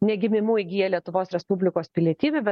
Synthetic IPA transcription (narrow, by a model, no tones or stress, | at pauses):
nʲɛɡʲɪmʲɪmuːjɪɡʲiːjɛlʲiɛt̪ʊʋoːsɾʲɛspubʲlʲɪkoːspʲɪlʲiɛt̪ʲiːʋʲɛbʲɛ